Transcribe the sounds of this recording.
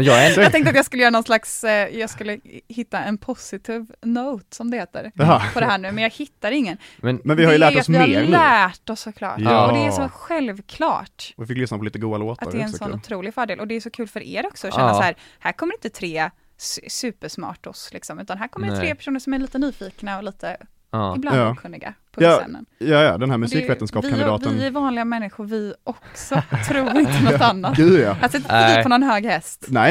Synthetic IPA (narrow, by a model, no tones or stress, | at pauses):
jɑɡt̪ɛŋkt̪ɾat̪jɑɡskɵləjœːɾanɔnslaksjɑːɡskɵlːəhɪt̪ːaɛnpʰʊsɪt̪ʰiːvnoʊt̪sɔmd̪ɛheːt̪ə̰ɾpʰɔd̪ɛɦæːɳʉ̟ːmɛnjɑːɡhɪt̪ːaɾɪŋːənmɛnvɪhaɾjʊlæːɔsmœlæːʈɔsːɔkʰlɑ̰ːʈɔd̪ɛːʂɔɧɛlvkʰlɑ̰ːʈvɪfɪkːlʏsnapɔliːt̪əɡuːd̪aloːt̪ʔat̪d̪ɛɾɛsɔnːʊt̪ʰɾuːlɪɡfœːɖeːlʔɔd̪ɛːsɔkʰʉ̟ːlfœɾʔḛːɾɔksɔɔɕɛnnːasaæːɾhæːɾkʰɔmːɾɪnt̪ət̪ʰɾeː | ssʉ̟ːpəʂmɑ̰ːʈɔslɪksɔmʉ̟ːt̪anɦæːɾkʰɔmːəɾɛt̪ʰɾeːpʰæ̥ʂuːnəɾʂɔmæɾɭiːt̪ənyːfiːknaɔliːt̪ʰə | ɪblandɑːkʰɵnːɪɡa̰pʰɔɑɛ̰mnə̰njɑːjɑ̰d̪ɛnhæɾmʉssiːkveːənskɑːpɪand̪ɑːtvnæɾvɑːnlɪɡamɛnːɪɧʊɾvɪʔɔksɔt̪ʰːɾuːɾɪnənɔanːat̪ɡʉːjɑat̪sɪpɔnɔnhøːɡhɛst̪nɛ